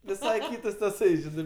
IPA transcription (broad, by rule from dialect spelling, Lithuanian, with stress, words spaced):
ʋʲɪˈsɐɪ ˈkʲiːtɐs tɐˈsɐɪ ˈʒʲɪnɐɪ